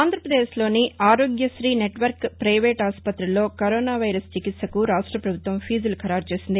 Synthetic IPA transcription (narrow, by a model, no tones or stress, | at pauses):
aːnd̪ʱɾɐpɾɐd̪eːʃlo̞ːniaːɾo̞ːɡjɐʃɾiːneʈʋɐɾkpɾɐjʋeːʈaːspɐt̪ɾulːoːkɐɾoːnaːʋɐjɾɐst͡ʃikit̪sɐkuɾaːʂʈɾɐpɾɐbʱut̪ʋɐmpʰiːd͡ʒulkʰɐɾaːɾt͡ʃe̞ːsind̪i